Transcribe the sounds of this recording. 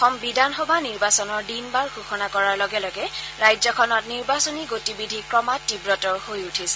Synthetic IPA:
xɔmbidʱanxɔbaniɹbasɔnɔɹdinbaɹxuxɔnakɔɹaɹlɔɡɛlɔɡɛɹajzɔkʰɔnɔtniɹbasoniɡotibidʱikɹɔmatːibɹɔtɔɹhojutʰisɛ̥

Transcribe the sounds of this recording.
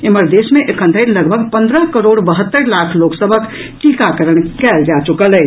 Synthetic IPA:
eməɾd̪esmeʔekʰə̃nd̪ʱəɪɾləɡbʱəɡpə̃nd̪ɾəkəɾoɽbəɦət̪ːəɾlakʰloksəbʱək | ʈikakəɾəɽ̃kɛld͡ʒat͡ʃukələ

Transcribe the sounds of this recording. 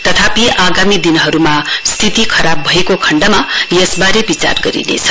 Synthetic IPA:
t̪ʌt̪ʰapiʔaɡamid̪inɦʌɾumast̪ʰit̪ikʰʌɾabʱʌekokʰʌɳɖamajesbaɾebit͡sa̰rɡʌɾḭnḛt͡sʰʌ

